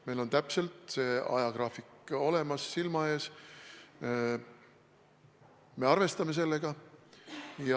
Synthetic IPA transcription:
me̞lo̞nt̪æpse̞lt̪se̞ːɑ̰jɑkrɑːfiko̞le̞mɑsːilmɑe̞ːs | me̞ɑrve̞st̪ɑme̞s̬e̞lːe̞ɡ̥ɑ | jɑ

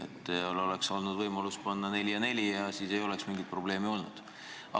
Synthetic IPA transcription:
et̪ːˑeolo̞lekso̞lnud̪vɤjmɑluspɑnːɑne̞lʲjɑne̞lʲiɑsiːse̞jo̞le̞ksmiŋɡit̪̚pro̞ble̞ːmio̞lnud̪̥ | ɑ̰

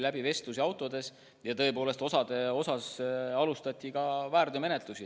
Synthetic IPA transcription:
læbive̞st̪usiɑwt̪ːˑo̞d̪e̞s | jɑt̪ɤ̞e̞po̞ːlest̪o̞sɑd̪̥e̞o̞sɑsɑlust̪ɑt̪ʲːikɑvæːrd̪̥eme̞net̪ˑlusi

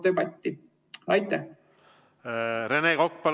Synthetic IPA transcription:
t̪øjpɑt̪ʲːi | ɑjt̪ːˑæh | ɾenekok̚pɑl

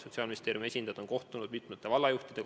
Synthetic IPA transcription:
so̞t̪siɑːlminist̪eːɾjume̞sʲind̪ɑd̪o̞nko̞ht̪unud̪mit̪ˑmɑt̪ːˑe̞vɑlːɑjuht̪id̪̥e̞

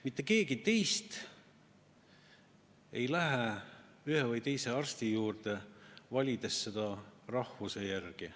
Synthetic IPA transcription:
mit̪ːˑe̞ke̞ːɡ̥it̪e̞jst̪ | e̞jlæɦe | yhevɯjt̪e̞jse̞ɑrst̪ijuːrt̪e̞vɑlʲid̪e̞sːe̞d̪ɑrɑhvuse̞jærɡ̥i

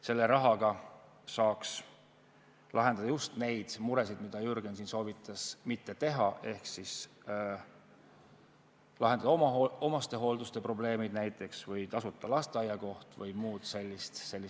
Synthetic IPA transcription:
se̞lːe̞ɾɑɦɑɡ̥ɑ | sɑːks | lʔɑɦe̞nd̪ɑd̪ɑjust̪ne̞jd̪̥muɾe̞sid̪mid̪̥ɑjyrɡ̥ens̬inso̞ːvit̪ːˑɑsmit̪ːe̞t̪e̞ɦɑʔe̞hksis | lɑɦend̪ɑd̪ɑomɑoo̞mɑst̪e̞ɦo̞ld̪ust̪e̞pro̞ble̞ːmid̪næjt̪ːˑe̞ksvɯjt̪ɑsut̪ːˑɑlɑst̪eɑjɑko̞ht̪vɤjmuːd̪̥se̞lʲːist̪se̞lːis

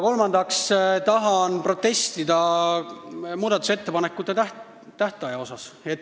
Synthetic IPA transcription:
ko̞lmɑnd̪ɑkst̪ɑɦɑnpro̞t̪ːe̞st̪id̪ɑ | muːd̪̥ɑt̪use̞t̪ːe̞pɑnekːˑut̪ːˑet̪æ | t̪æht̪ˑɑjɑo̞sɑset̪ː

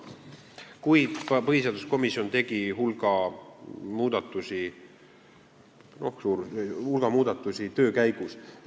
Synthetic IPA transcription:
kujpɤhiseɑːd̪usko̞misːˑio̞nt̪e̞ɡ̥iɦulɡ̥ɑ | muːd̪̥ɑt̪ːˑusi | no̞hsuːɾhulɡ̥ɑmuːd̪̥ɑt̪ːˑusit̪øːkæjɡ̥us

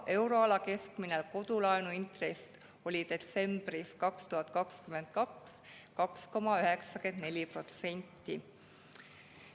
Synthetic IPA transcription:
ʔe̞wɾo̞ɑlɑke̞skminelko̞d̪̥ulɑenuint̪re̞s | o̞lʲid̪̥e̞t̪se̞mb̥riskɑkst̪uɦɑt̪̚ːˑkɑkskyme̞nd̪̥̚kɑks | kɑksko̞mɑyɦe̞ksɑkend̪̥ne̞lʲipro̞t̪se̞nʲt̪ˑːi

